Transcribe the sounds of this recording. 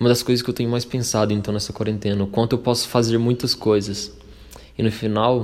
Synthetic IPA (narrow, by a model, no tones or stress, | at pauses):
umɐd̪ɐskojzɐs̬kɪewt̪ẽɲʊmajspẽsad̪ʊẽnt̪ɐ̃w̃nɛsɐkwaɾẽnt̪ẽnɐʊkwɐ̃nt̪ʊewpɔsʊ̥fazeɾmũj̃t̪ɐskojzɐs | ɪnʊfinaw